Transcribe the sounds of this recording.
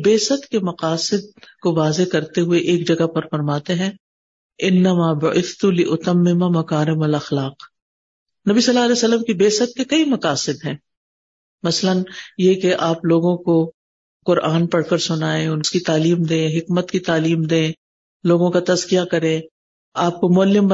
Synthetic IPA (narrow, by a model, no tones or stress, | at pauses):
beːsət̪kemɐqaːsɪd̪̚koʋaːzekɐɾt̪eɦʊeʔeːk̚d͡ʒɐɡapɐɾfɐɾmaːt̪eɦɛ̃ː | ɪnːɐmaːbʊʔɪθt̪ulɪʔʊt̪ɐmːɪmamɐkaːɾɪmɐlɐxlaːq | nɐbisɐlːaːɐlɛːsɐlːəmkibeːsət̪̚kekɐimɐqaːsɪd̪ɦɛ̃ː | mɐslənjekeʔaːploːɡõko | qʊɾʔaːnpɐɽkəɾsʊnaːẽʊnskit̪aːliːmd̪ẽːɦɪkmət̪kit̪aːliːmd̪ẽː | loːɡõkat̪ɐzkijakɐɾẽ | aːp̚komʊɐlːɪm